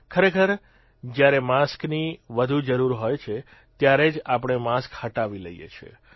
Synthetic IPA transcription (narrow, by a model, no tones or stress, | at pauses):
kʰəɾekʰəɾ | d͡ʒjaɾemaskniʋəd̪ʱud͡ʒəɾuɾɦojt͡ʃʰe | t̪jaɾed͡ʒapəɳ̃emaskhəʈaʋilə̰jḛt͡ʃʰḛ